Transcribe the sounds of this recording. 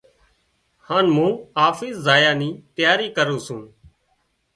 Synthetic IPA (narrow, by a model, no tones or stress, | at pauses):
haːnmũːaːfiːsːaːjaːniːt̪ɪjaːɾiːkəɾũːsũː